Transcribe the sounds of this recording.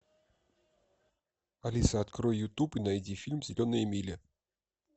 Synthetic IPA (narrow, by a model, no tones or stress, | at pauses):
alʲisɐːt̪kɾɔjjut̪upɨnajd͡zʲifʲilʲmzʲɪlʲɔnɨjəmʲilʲɛ